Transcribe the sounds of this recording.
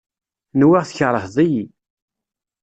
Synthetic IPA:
nwiʁθəçəɾˤəhðˤiji

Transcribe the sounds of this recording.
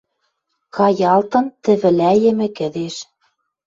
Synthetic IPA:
kɑjɑlt̪ɤ̆nt̪ɘ̆βɘ̆læjɘ̆mɘ̆kɘ̆d̪eʃ

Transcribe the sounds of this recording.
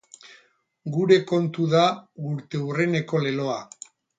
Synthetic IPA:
ɡuɾe̞ko̞nt̪uðauɾt̪e̞ure̞ne̞ko̞le̞lo̞a

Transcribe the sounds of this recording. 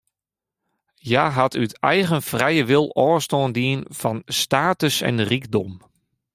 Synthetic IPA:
jaːɦatʰytʰɛjɣənfrɛjəʋɪlˠɔːstɔːndiənfɔnstaːtəsɛ̰nrikdɔm

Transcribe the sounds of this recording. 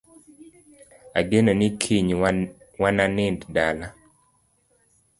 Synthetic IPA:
a̰ɡenonɪkʰiɲ | wananɪnddala

